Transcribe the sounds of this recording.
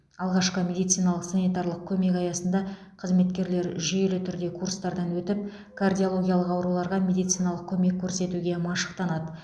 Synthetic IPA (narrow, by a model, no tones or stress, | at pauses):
ɑlˠʁɑʃqəmʲe̞d̪ijt̪sijnɑlˠəqsanijt̪ɑrlˠəq̚kʲʰɵme̞kɑjɑsənd̪ɑ | qʰəzme̞t̪kʲe̞ɾle̞ɾʒʏje̞lɪt̪ʰʏɾd̪e̞kʰurst̪ɑɾd̪ɑnwɵt̪ɪp̚ | kʰard̪ʲijo̞lˠo̞ɡʲijalˠəqɑwɾulˠɑɾʁɑmʲe̞d̪ijt̪sɨijnɑlˠəq̚kʲʰɵme̞kʲʰːɵɾse̞t̪uɡʲe̞mɑʃə̥qt̪ɑnɑd̪ə